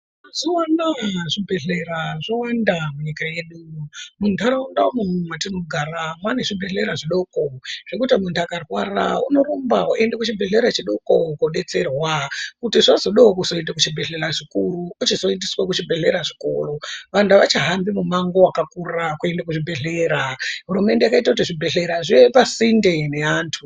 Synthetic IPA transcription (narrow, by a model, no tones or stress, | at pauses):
zowanaʐibʱe̞ɮe̞raʐowandamuɲikaje̞ɗumuntʰaɾaunɗaomumumwatinoɡʱaramwaneʐibʱe̞ɮe̞ɾaʐiɗo̞koʐ̥ekutimuntʰakarwa̰ra̰ṵno̞rumbauʔendekut͡ʃibʱe̞ɮeɾat͡ʃiɗokokoɗe̞t͡se̞rwakutiʐazo̞ɗaokuso̞endakut͡ʃibʱe̞ɮeraʐikuruːt͡ʃizo̞endiswakut͡ʃibʱe̞ɮe̞ɾaʐiko̞̰ro̞ʋantuʋat͡ʃaɦambimumaŋɡo̞wakakurakue̞ndakuʐibʱe̞ɮeːɾaɦuɾume̞ndeakaitakutiʐibʱe̞ɮe̞ɾaʐiepasindene̞aːntʰu